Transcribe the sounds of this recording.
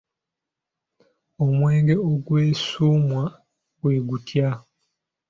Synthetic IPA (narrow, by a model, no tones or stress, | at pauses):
omwe̞ːŋɡe̞oɡwe̞ːsuːmwa | ɡweːɡutʰja